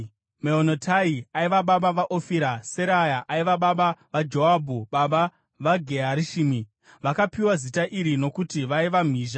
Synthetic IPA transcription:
meonotʰaiaiʋaɓaɓaʋaʔofiɾaseɾajaʔaiʋaɓaɓaʋad͡ʒoabʱuɓaɓa | ʋaɡʱeɦaɾiʃiːmi | ʋakapiwazitaʔiɾino̞kutiʋaiʋam̤iːʒa

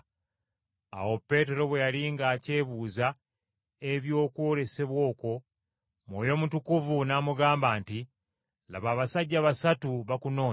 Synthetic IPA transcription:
a̰wo̞pːe̞ːte̞ɾo̞βwe̞jaliːŋɡaːce̞ːβuːza | e̞βjo̞ːkwo̞le̞se̞βwo̞ːko̞ | mwoːjo̞mutukuvunamuɡaːmbaːnti | la̰βaːβasaɟːaβasatuβakuno̞ː

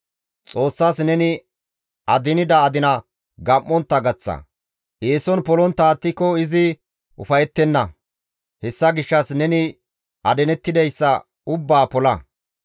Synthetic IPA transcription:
t͡sʼo̞ːsːaːsnɛnɪ | ɐd̪ɪnɪd̪ɐːd̪ɪnɐ | ɡɐmːɔnt̪ːɐɡɐt͡sːɐ̰ | ʔeːsɔnpɔlɔnt̪ːaːt̪ːɪkːɔɪzɪ | ʔʊ̰fɐjɛt̪ːɛnːɐ | hɛsːɐɡɪʃːɐsnɛnɪ | ʔɐd̪ɛnɛt̪ːɪd̪ɛjsːɐ | ʊbːaːpɔlɐ

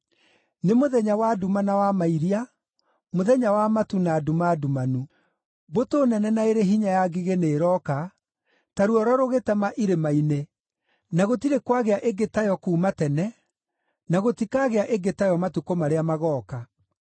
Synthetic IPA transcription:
nemoðɛɲawadumanawamaiɾia | moðɛɲawamatunaːdumadumanu | botoːnɛnɛnaeɾeɦiɲajaɡiɣeneːɾɔka | taɾuɔɾɔɾoɣetamaʔiɾemaine | naɣotiɾekwaɣeaʔeɡetajɔkuːmatɛnɛ | naɣotikaːɣeaʔeɡetajɔmatukomaɾeamaɣɔːka

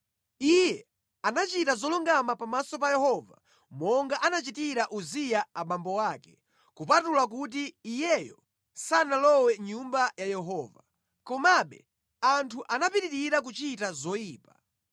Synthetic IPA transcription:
ijɛ | anat͡ʃitazɔluŋɡamapamasɔpajɛhɔva | mɔŋɡaʔanat͡ʃitiɾaʔuzijaaɓambɔwaːkɛ̥ | kupatulak̬ut̬iːjɛjɔ | sanalɔwɛɲumbajajɛɦɔːva | kɔmaɓɛ̰ | antʰuʔanapiɾiɾiɾak̬ut͡ʃitazɔjiːpa

